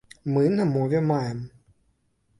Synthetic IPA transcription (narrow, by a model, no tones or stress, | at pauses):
mɨnamovemaɛm